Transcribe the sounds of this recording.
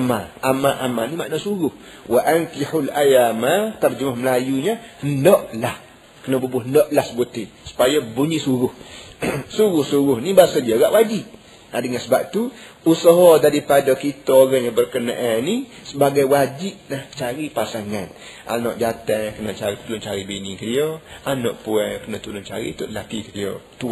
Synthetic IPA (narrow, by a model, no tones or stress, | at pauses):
amaʔamaʔamanima̰ʔnoʔsuɾʊh | waʔaŋkiħulajamat̪ard͡ʒəmahməlajuɲahəndɔʔlah | kənabəbʊhəndɔʔlahsəbut̪isu̥pajabuɲisuɾʊh | suɾʊhsuɾʊhnibasadiaɡa̰ʔwʔad͡ʒiʔ | adəŋansəbap̚t̪u | usəɦɔd̪adipadokit̪ooɾaɲabərkəna̰ʔani | səbaɡajwad͡ʒip̚naht͡ʃaɾipasaŋan | ʔa̰nɔʔd͡ʒat̪əŋkənət͡ʃaɾit̪ulʊnt͡ʃaɾibenikədioanɔ̰ʔpuəkənat̪ulʊnt͡ʃa̰ɾḭt̪ʊʔdəlakikədio̰t̪ua